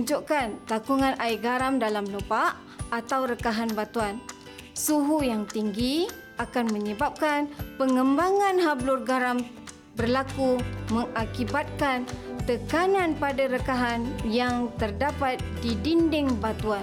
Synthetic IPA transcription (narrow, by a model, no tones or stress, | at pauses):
ɲd͡ʒuʔkant̪akuŋãnaiɡaɾamdalamlopaʔː | t̪awɾəkaɦanbat̪uan | suɦujaŋt̪iŋɡi | akanmə̃ɲəbap̚kanpəŋəmbaŋanɦablʊrɡaɾam | bərlakuməŋakibat̪̚kant̪əkananpadaɾəkaɦanjaŋt̪ərdapat̪̚didindɪŋbat̪ua